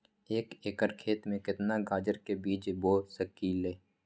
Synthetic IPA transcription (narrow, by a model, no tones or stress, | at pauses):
eːkeːkəɾkʰeːt̪mẽkɪt̪naɡaːd͡ʒəɾkebiːd͡ʒboːsəkileː